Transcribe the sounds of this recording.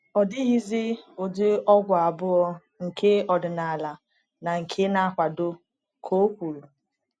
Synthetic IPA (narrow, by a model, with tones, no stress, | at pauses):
ɔ˨dɪ˦ɣi˦zɪ˦o˨de˦ɔ˦ɡʷa˨a˨bʊ˦ɔ˦ | ŋ̩˨kʰe˦ɔ˨dʊ˨na˨la˨ | na˨ŋ̩˨kʰe˦na˦a˦˨kʷa˨dʊ˦ | kʰo˦kʷu˨ɾu˨